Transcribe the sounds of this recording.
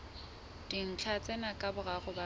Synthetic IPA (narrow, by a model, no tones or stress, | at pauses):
d̥in̩t͡ɬʰat͡sʼɛnakʼabʊraɣʊba